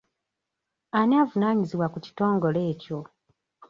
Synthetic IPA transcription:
anaːvunaːɲiziβwakuci̥to̞ːŋɡo̞le̞ːco̞

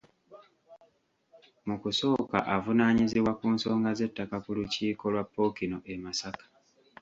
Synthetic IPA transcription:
mukuso̞ːka̰ʔavunaːɲiziβwakuːnso̞ːŋɡaze̞tːakakuluciːko̞lwapːo̞kino̞ʔemasakḁ

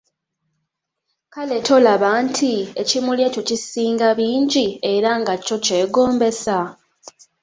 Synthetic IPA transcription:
kale̞tʰo̞laβaːntʰiecimuljeco̞cisiːŋɡaβiːɲɟie̞ɾaŋɡacːo̞ce̞ːɡo̞ːmbe̞sa

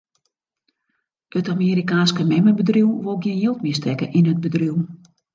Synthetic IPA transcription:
ətamiːɾikaːnskəmɛməbədriwʋolˠɡjɪnjɪlˠtmɪəstɛkəʔinəd̚bədriw

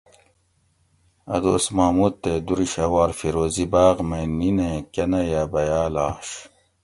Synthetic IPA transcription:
ɐ̰d̪o̰smaːmut̪̚t̪ːed̪uɾiɕɐwaːɾfiɾoːzibaːʁmeninekɐnɐjaːbɐjaːlaːɕ

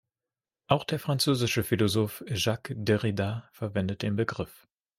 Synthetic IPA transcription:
ʔaʊxd̥eːɐfʁ̥ant͡søːzɪʃəfilozoːfʒakdeʁidafɛɐvɛndət̚d̥eːnbəɡʁɪf

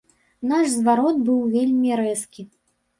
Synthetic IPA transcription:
naʂzvaɾɔt̪̚bɨwvʲelʲmʲiɾɛskʲi

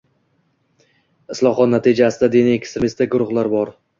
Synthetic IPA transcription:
ɪslˠɒχɒt̪nat̪ʰid͡ʒasɪd̪ad̪eniekʲst̪ɾemist̪aɡʊɾʊχlˠaɾbɒɾ

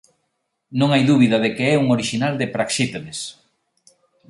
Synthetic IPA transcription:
nõŋajðuβiðɐðekeɛuŋoɾiʃinald̪ɪpɾakʃit̪eðes

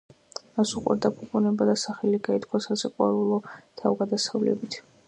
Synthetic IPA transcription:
masuqʼwɛ̰ɾd̪apʰupʼunɛbad̪asaχɛliɡait̪ʰkʰwasasɛqʼwa̰ɾulˠɔt̪ʰavɡad̪asavlɛ̰bit̪ʰ

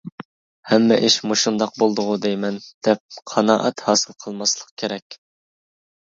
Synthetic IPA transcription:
hɛmːɛʔiʃmuʃund̪ɑq̚bolˠd̪ʊʁʊd̪ejmɛnd̪̥ɛp̚qʰɑnɑ̰ːʔɛt̪hɑːsɨlˠqʰəlˠmɑslˠəqkʲʰeɾɛkʲ

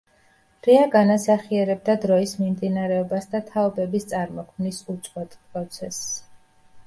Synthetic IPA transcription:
ɾɛaɡanasaχiɛɾɛb̚d̪ad̪ɾɔismimd̪inaɾɛɔbasd̪at̪ʰaɔbɛbist̪sʼaɾmɔkʰmnisut̪sʼqʼwɛt̪ʼpʼɾɔt̪sʰɛs

